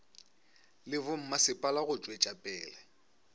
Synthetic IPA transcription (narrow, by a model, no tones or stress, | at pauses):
lɪβʊm̩masɪpʼalaɣʊt͡ʃʼwet͡ʃʼapʼɛːlɛ